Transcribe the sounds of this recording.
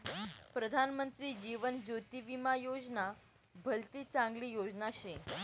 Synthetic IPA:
pɾəd̪ʱanmənt̪ɾiːd͡ʑiʋənd͡ʑot̪iʋimajod͡zna | bʱəlt̪iːt͡sãŋɡliːjod͡znaɕẽ

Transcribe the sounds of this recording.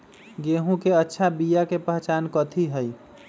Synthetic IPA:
ɡeɦũkeətːʃʰabijakepəɦt͡ʃaːnkət̪ʰiɦəj

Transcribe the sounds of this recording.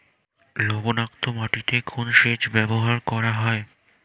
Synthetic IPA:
lobonakt̪omaʈit̪ekʰonʃeʃbɛboɦaɾkɔɾaɦɔe

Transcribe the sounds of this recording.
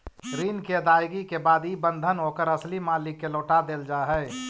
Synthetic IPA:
kɾiːnkeɐd̪aːjɡikebaːd̪ibə̃nd̪ʱənɦoːkəɾəslimaːlɪkːeloːʈad̪eːld͡ʒaːɦɛ

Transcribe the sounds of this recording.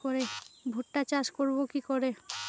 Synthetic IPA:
oɾebʱuʈːat͡ɕaʃkoɾbokikoɾe

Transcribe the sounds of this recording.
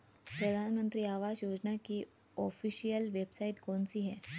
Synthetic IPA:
pɾɐd̪ʱaːnmə̃nt̪ɾiaːʋaːd͡ʒjoːd͡ʒnaki | ɔːfʰiːʃijəlʋeːbsaːɪʈkɔːnsiɦɛː

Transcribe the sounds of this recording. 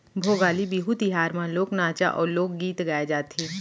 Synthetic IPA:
bʱoːɡaːlibiɦut̪ɪɦaːɾmãloːknaːt͡ʃa̰ʔɔːɾloːɡːiːt̪ɡaːed͡ʒaːt̪ɦiː

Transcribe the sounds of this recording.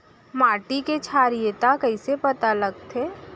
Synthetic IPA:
maːʈiket͡ʃʰaːɾijət̪akɐisepɐt̪alɐɡ̚t̪ʰeː

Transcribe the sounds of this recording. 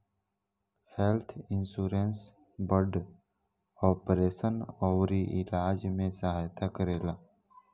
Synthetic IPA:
helt̪ʰɪnsuːɾens | bəɾɖ | ɔːpɾeːsənɔːwɾiʔɪlaːd͡ʒmẽsəɦaːjt̪akəɾeːlaː

